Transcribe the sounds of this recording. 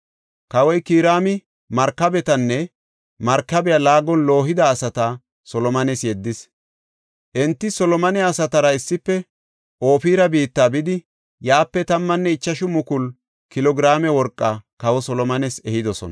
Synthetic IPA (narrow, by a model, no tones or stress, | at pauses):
kɐwɔjkiːɾaːmɪ | mɐɾkːɐbɛt̪ɐnːɛ | mɐɾkːɐbɛjɐlaːɡɔnlo̞ːɦɪd̪ɐːsɐt̪a | sɔlɔmɐnɛsjɛd̪ːɪs | ʔɛnt̪ːɪsɔlɔmɐnɛːsɐt̪ɐɾɐɪsːɪpːɛ | ʔo̞ːfiːɾɐbiːt̪ːaːbɪd̪ɪ | jaːpːɛt̪ɐmːɐnːɛɪt͡ʃːɐʃʊmʊkʊl | kɪlɔɡɪɾaːmɛwɔɾkʼːɐkɐwɔsɔlɔmɐnɛsɛhɪd̪ɔsɔ̰n